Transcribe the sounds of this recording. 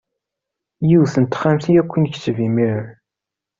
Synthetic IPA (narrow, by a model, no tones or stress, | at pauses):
jiwθənt̪χæmθijækʷːənçt͡sːvimiɾən